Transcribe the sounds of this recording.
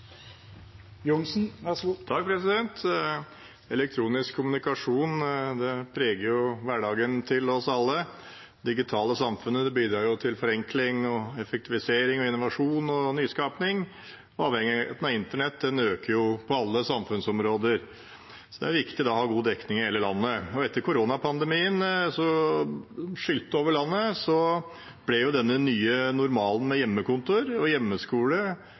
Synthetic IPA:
jʊŋsn̩t̪ʰɑk̚pʰɾɛsɪd̪ɛnt̪ | ɛlɛk̚t̪ʰɾuːnɪskʰːʊmʉnɪkɑʂuːnd̪ɛpʰɾeːɡəɾjʊʋæɖɑːɡənt̪ʰɪlɔsɑlːə | d̪ɪɡɪt̪ʰɑːləsɑmfʉnːəd̪ɛbiːd̪ɾɑːɾjʊt̪ʰɪlfɔɾɛŋklɪŋɔɛfɛk̚t̪ɪʋɪseːɾɪŋɔɪnʊʋɑʂuːnɔnyːskɑːpnɪŋ | ɔɑːʋhɛŋɪət̪nɑɪnt̪əɳɛt̪̚d̪ɛnøːkəɾjʊpʰɔɑlːəsɑmfʉnsɔmɾoːd̪əɾ | sɔd̪ɛ̰æɾʋɪkt̪ɪd̪ɑɔhɑːɡuːd̪ɛknɪŋɪheːləlɑnːəɔɛt̪ːəɾkʰʊɾoːnɑpʰɑnd̪ɛmiːənsɔ | ʂʏlt̪ːoːʋəɭɑnːəsɔ | b̥lɛjʊd̪ɛnːənyːənʊɾmɑːln̩mɛjɛmːəkʊnt̪ʊɾɔjɛmːəskuːlə

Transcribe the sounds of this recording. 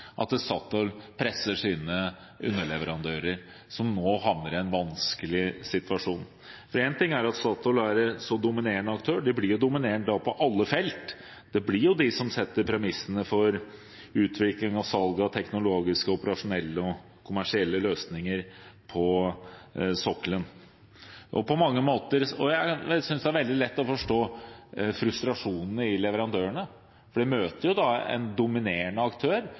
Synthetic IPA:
ʔɑ̰t̪sɑːt̪ɔlpʰɾɛsəʂiːnə | ʔʉ̰nːəɭɛʋəɾɑnd̪øːɾəɾ | sɔmnoːɦɑʋnəɾɛnʋɑnskəlɪsɪt̪ʋɑʂuːn | fɔɾɛnt̪ɪŋːæɾɑt̪sɑːt̪ɔlæɾsɔd̪ʊmɪneːɾəɳəɑkt̪ʰøːɖɪblɪɾjʊd̪ʊmɪneːɳd̪ɑpʰɔʔɑlːəfɛlt̪ | d̪̥ɛblɪɾjʊd̪ɪsɔmsɛt̪ːəɾpʰɾɛmɪsːənəfɔɾ | ʉːt̪ʰʋɪklɪŋɑʋsɑlɡɑt̪ʰɛknʊloːɡɪskəʊpəɾɑʂʊnɛlːəɔ | kʰʊmæʂɪɛlːəløːsnɪŋəɾpʰɔ | sɔklən | ʔɔ̰pʰɔmɑŋːəmoːt̪əɾɔjæsʏnsd̪ɛæɾʋɛld̪ɪlɛt̪ːɔfɔʂʈoːfɾʉst̪ɾɑʂuːnn̩əɪlɛʋəɾɑnd̪øːəɳə | fɔɖɛmøːt̪əɾjʊd̪ɑɛ̰nd̪ʊmɪneːəɳəɑkt̪ʰøːɾ

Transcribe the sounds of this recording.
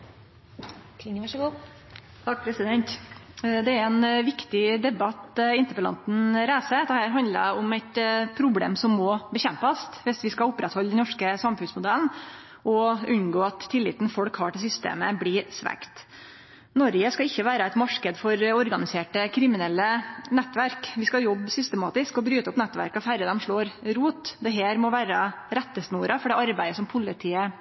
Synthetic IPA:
kʰɪŋɑʂəɡuː | t̪ʰɑːk̚pʰɾɛsɪd̪ɛnt̪d̪ɛæɾɛnʋɪkt̪ɪd̪ɛbɑt̪ɪnt̪əɾpəlɑ̰nt̪n̩ɾæːsəd̪ɛhæːɾɦɑnd̪lə̰ʊmæt̪pʰɾʊblḛːmsɔmːɔbəçɛmpɑst̪ʋɪsʋɪskɑʊpɾɛt̪hɔld̪ɛnnɔʂkəsɑmfʉnsmʊd̪ɛln | ʔɔʉnɡoːɑt̪ʰːɪlːɪ̰ːt̪n̩fɔɽkhɑːʈɪls̬ʏst̪ḛːməbliɾsʋæ̰kt̪ | nɔɾɡəskɑɪçːəʋæːɾəæɪt̪mɑʂkəd̪fɔɾɔɾɡɑnɪseːʈəkʰɾɪmɪnɛlːənɛt̪ːʋæɾkʋɪskɑjɔbːsʏst̪əmɑ̰ːt̪ɪskɔbɾyːt̪ɔpnɛt̪ːʋæ̰ɾkɔfæɾəd̪ɛmʂɭoːɾɾuːt̪d̪ɛɦeːɾmɔʋæːɾəɾɛt̪ːəsnuːɾɑfɔɖɛːɑɾbæɪəsɔmpʰʊlɪt̪ʰiːə

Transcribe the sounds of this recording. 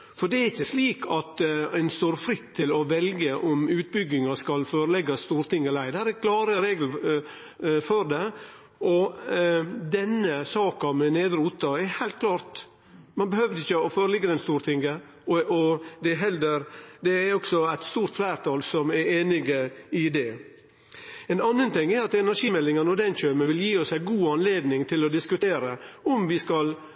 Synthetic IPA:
fɔɾd̪ɛæɾɪçːəsliːkʰɑt̪æɪnst̪oːɾfɾɪt̪ʰːɪlɔʋɛlɡəʔɔmʉːt̪̚bʏɡɪŋɑskɑlføːɾəlɛɡɑst̪uːɾt̪ɪŋːəlæɪd̪æːɾɾkʰlɑːɾəɾeːɡl̩ | fɔɾd̪ɛ | ʔɔ | d̪ɛnːəsɑːkɑmɛneːd̪ɾuːt̪ɑɛɾhæɪlt̪̚kʰlɑːɾt̪ | mɑnbəhøːʋd̪əɪçːəɔføːɾəlɪɡːəd̪ɛnst̪uːɾt̪ʰɪŋɡə | ɔɔd̪ɛɦɛld̪əɾd̪ɛæɾɔksɔæɪt̪st̪uːɾt̪flæːɾt̪ʰɑlsɔmɛɾeːnɪɡəɪd̪ɛ | ɛnɑnːənt̪ɪŋːɛɾɑt̪ɛnæɾʂiːmɛlːɪŋənɔd̪ɛnçøːməʋɪljiːɔsæɪɡuːɑnleːd̪nɪŋt̪ʰɪlɔd̪ɪskʉt̪ʰeːɾəɔmʋɪskɑl

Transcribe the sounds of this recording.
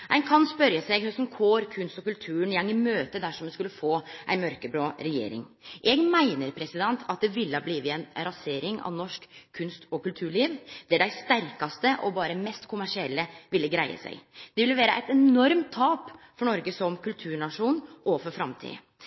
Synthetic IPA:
æɪnkʰɑnspœɾjəsɛɡhsɔmkʰoːɾkʰʉnst̪ɔkʉlt̪ʰʉːənjɛŋɪmøːt̪əd̪æʂɔmːɛnskʉlːəfoːʔæ̰ɪnmœɾkəbɾɑːɾɛjḛːɾɪ̰ŋʔɛɡmæɪnəɾpʰɾɛsɪd̪ɛnt̪ʰɑt̪̚d̪ɛʋɪlːəɑbliːʋəɛnɾɑseːɾɪŋɑ̰ʋnɔʂkʰːʉnst̪ɔkʉlt̪ʰʉːɭiːʋd̪æɖæɪst̪æɾkɑst̪əʔɔbɑːɾəmɛst̪kʰʊmæʂɪɛlːəʋɪlːəɡɾæɪə̰sæ̰ɪɡd̪̥ɛʋɪlːəʋæːɾəʔæ̰ɪt̪ɛnɔɾmt̪ʰːɑːp | fɔɳɔɾɡəsɔmkʰʉlt̪ʰʉːɳɑʂuːnʔɔfɔɾfɾɑmt̪ʰḭːə̰

